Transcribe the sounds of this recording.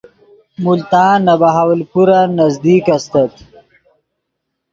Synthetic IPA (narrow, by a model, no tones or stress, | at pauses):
mult̪aːnːabaɦawlpuɾanazd̪iːkast̪ɐt̪